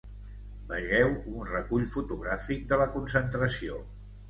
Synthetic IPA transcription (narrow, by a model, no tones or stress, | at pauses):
bəʒɛwunrəkuʎfut̪uɣɾafik̚d̪ələkunsənt̪ɾəsio